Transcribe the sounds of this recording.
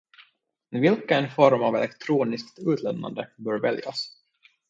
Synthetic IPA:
vɪlkaɛnfɔɾmavɛ̰lɛkt̪ʰɾuːnɪskt̪ʉ̟ːt̪ʰlɛnnːa̰nd̪əbœːɾvɛlja̰s

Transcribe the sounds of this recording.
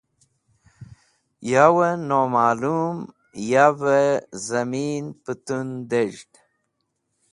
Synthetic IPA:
jawənomaːlum | javəzɐminpət̪und̪eʐɖ

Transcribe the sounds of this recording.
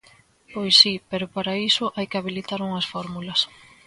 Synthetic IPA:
pojsːipeɾʊpaɾaisʊʔajkɪaβilit̪aɾuŋɐsfɔɾmulɐs

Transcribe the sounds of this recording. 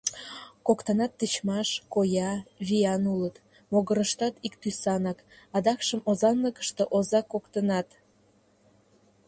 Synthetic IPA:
kokt̪ənɑt̪ːət͡ɕmɑʃkojɑβijɑnulət̪ | moɣəɾəʃt̪ɑt̪ikt̪ysɑnɑk | ɑd̪ɑkʃəmozɑnləkə̥ʃt̪eʔozɑkokt̪ənɑt̪

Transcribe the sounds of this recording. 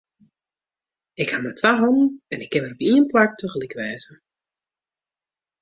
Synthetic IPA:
ɪkhamatʋaɦɔnən̩ɛnɪkːɛməɔpiənplak̚tøɣəlikəʋɛːzə

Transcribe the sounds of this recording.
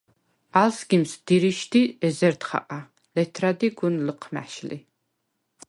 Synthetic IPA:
alsɡimsd̪̥iɾiʃd̪iɛzɛɾd̪χa̰qʼa | lɛt̪ʰɾad̪iɡunləqʰmæ̰ʃlḭ

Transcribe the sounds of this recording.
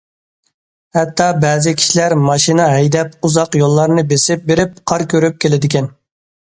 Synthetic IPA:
hɛt̪ːɑbɛːzɪkʲʰi̥ʃilæɾmɑʃinɛɦɛjd̪ɛpuzɑqjolˠːɑɾnɨbesɪp̚beɾɪp̚qʰɑɾkʲøɾyp̚kʲʰelɪd̪ɪkʲɛn

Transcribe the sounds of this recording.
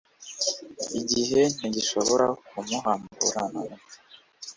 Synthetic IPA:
iɟiɦe̞n̥iɟiʃo̞βoɾakumuɦaːmbbṵɾanama

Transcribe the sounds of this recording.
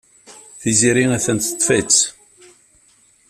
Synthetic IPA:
θiziɾiŋæθənt̪ə̥t̪ˤːfæt͡sː

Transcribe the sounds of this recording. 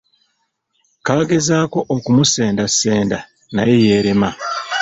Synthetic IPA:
kaːɡe̞zaːko̞ʔokumuse̞ːndasːe̞ːnda | na̰je̞je̞ːɾema

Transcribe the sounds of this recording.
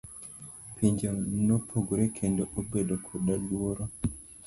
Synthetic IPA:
pʰiɲd͡ʒonopʰoɡɾekʰendoʔobedokʰoɗalwoɾo

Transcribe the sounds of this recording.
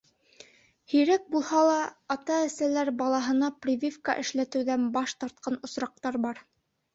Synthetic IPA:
hɵ̆jɾæk̚bulˠhɑlˠɑːt̪ɑæsælæɾbɑlˠɑɦɤ̆nɑprʲivʲifka̰ʔɘ̆ʃlæt̪ɘ̆wðænbɑʃt̪ɑɾt̪̚qɑnŏsɾɑq̚t̪ɑɾbɑɾ

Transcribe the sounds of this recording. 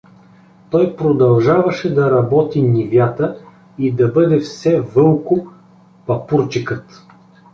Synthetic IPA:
t̪ɔjpɾod̪ɐlˠʒavɐʃɛd̪ɐɾɐbɔt̪inʲivʲjat̪ə | id̪ɐbɤd̪ɛfsɛvɤlˠkʊ | pɐpuɾt͡ʃikət̪

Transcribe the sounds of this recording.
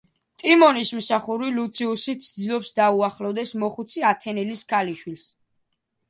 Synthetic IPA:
t̪ʼimɔnismsaχuɾilut̪sʰiusit̪sʰd̪zilˠɔpsd̪auaχlɔvd̪ɛsmɔχut̪sʰiat̪ʰɛnɛliskʰaliʃwils

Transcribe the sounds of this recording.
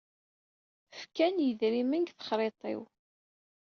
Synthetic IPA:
fkænjəðɾimənɡθə̥χɾˤet̪ˤɪ̰w

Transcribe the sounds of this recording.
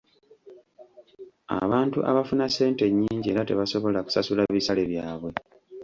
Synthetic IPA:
a̰βaːntṵʔa̰βafunase̞ːnte̞ɲːiːɲɟie̞ːɾate̞̰βaso̞βo̞laku̥sasulaβisale̞βjaːβwe̞

